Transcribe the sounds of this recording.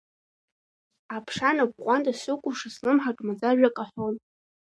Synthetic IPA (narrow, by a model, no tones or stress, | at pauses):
apʰʂanabqʷʼantʼasʊkʷʼʊʂasnɨmħaʈ͡ʂʼmad͡zaʒᶣakʼaħʷon